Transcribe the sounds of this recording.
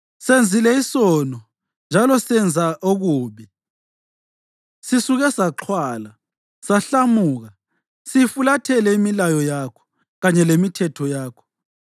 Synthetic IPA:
send͡zʱilɛisɔnɔ | nd͡ʒʱalɔsɛnd͡zʱaʔoɣuːβi | sisuɣɛsaǁʰwaːla | saɬamuːɣa | sijifulatʰɛlɛimilajɔjakʰɔ̥ | ɣaɲɛlemitʰɛtʰɔjaːkʰɔ̥

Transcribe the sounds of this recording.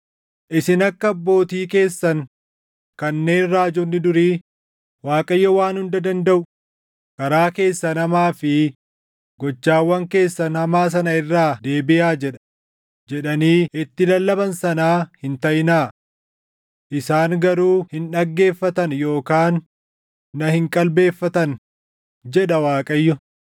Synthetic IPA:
ʔɪsɪnɐkːɐɐbːo̞ːt̪iːke̞ːsːɐŋ | kɐnːe̞ːnraːd͡ʒʊnːɪd̪ʊɾiː | waːkʼɐjːɐwaːnhʊnd̪ɐd̪ɐnd̪ɐʔʊ | kɐɾaːke̞ːsːɐnɐmaːfɪ | ɡɔt͡ʃːaːwːɐŋke̞ːsːɐnhɐmaːs̬ɐnɐɪrːaːd̪e̞ːbɪjaːd͡ʒɛᶑɐ̥ | d͡ʒɛᶑɐniːɪt̪ːɪlɐlːɐbɐnsɐnaːhɪnt̪ɐjɪnaː | ʔɪsaːŋɡɐɾuːhɪnᶑɐɡːe̞ːfːɐt̪ɐnjo̞ːkaːnː | ɐhɪŋkʼɐlbe̞ːfːɐt̪ɐn | d͡ʒɛᶑɐwaːkʼɐjːɔ

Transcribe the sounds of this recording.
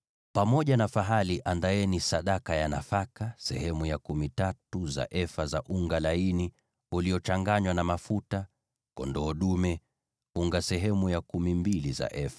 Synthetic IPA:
pamɔʄanafaɦaliʔandaɛnisaɗakajanafakasɛ̰ɦɛmujakumitatuza̰ʔɛfazaʔuŋɡalaini | uliɔt͡ʃaŋɡaɲwanamafuta | kɔndɔːɗumɛ | uŋɡasɛɦɛmujakumimbiliza̰ʔɛfḁ

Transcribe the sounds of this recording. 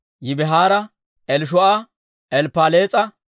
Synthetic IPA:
jɪbɛɦaːɾɐ | ɛlʃ̬ɔʔa | ʔɛlpːaːleːt͡sʼɐ

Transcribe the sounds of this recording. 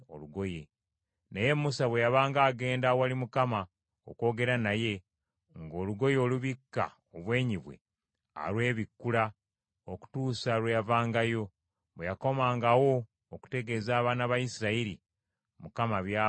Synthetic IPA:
o̰luɡo̞je | neje̞mːusaβwe̞jaβaːŋɡaːɡe̞ːndawalimukama | oko̞ːɡe̞ɾanaje̞ | ŋɡo̞ːluɡo̞jo̞ːluβikːa̰ | oβwe̞ːɲiβwe̞̰ | a̰lwe̞ːβikːula | oku̥tuːsaɾwejavaːŋɡajo̞ | βwejako̞maːŋɡawo̞ː | ku̥te̞ɡe̞ːzaːβaːnaβajisiɾaiɾi | mukamaβja

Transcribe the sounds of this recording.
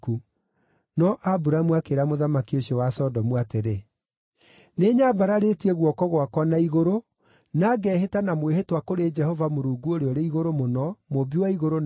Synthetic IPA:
ku | nɔʔabuɾamuakeɾamoðamakioɕiɔwasɔdɔmwateɾe | neːɲabaɾaɾetiɛɣwɔkɔɣwakɔnaiɣoɾo | naɡɛːɦetanamweɦetwakoɾed͡ʒɛhɔvamoɾuːɡuoɾeɔɾeiɣoɾomonɔmobiwaiɣoɾon

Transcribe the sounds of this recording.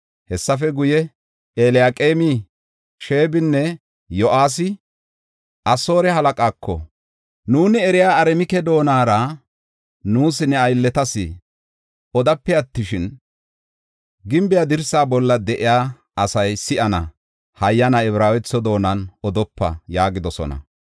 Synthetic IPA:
hɛsːɐfɛɡʊjɛ | eːlɪjaːkʼeːmɪ | ʃe̞ːbɪnːɛ | jɔʔaːs̬ɪ | ʔɐso̞ːɾɛɦɐlɐkʼaːkʰːɔ̰ | nuːnɪɛɾɪjaːɐɾɛmɪkɛd̪o̞ːnaːɾɐ | nuːsɪnɛɐjlːɛt̪ɐsɪ̰ | ɔd̪ɐpːɛɐt̪ːɪʃɪn | ɡɪmbɪjɐd̪ɪɾsaːbɔlːɐd̪ɛʔɪjaː | ɐsɐjsɪʔɐnɐ̰ | hɐjːɐnɐɛβɾaːwɛt͡sːɔd̪o̞ːnɐnɔd̪ɔpːɐ̰jaːɡɪd̪ɔsɔ̰nɐ̰

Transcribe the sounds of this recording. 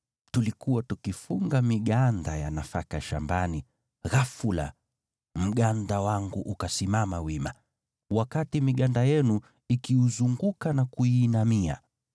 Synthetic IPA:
tulikuwatukifuŋɡamiɠandaja̰nafakaʃa̰mbani | ɣafula̰ | m̩ɠandawaŋɡuʔukasimamawima | wakatimiɠandajɛnu | ikiuzuŋɡukanakuiːnamia̰

